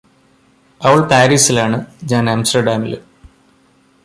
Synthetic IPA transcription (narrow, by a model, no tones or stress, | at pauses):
ɐʋɐɭpaːɾiːsilaːɳɨd͡ʑaːnamsʈɐɖaːmḭl